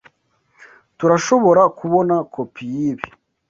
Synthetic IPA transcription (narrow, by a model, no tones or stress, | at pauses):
tuɾaʃo̞βo̞ɾakuβo̞nakʰopʰijiβi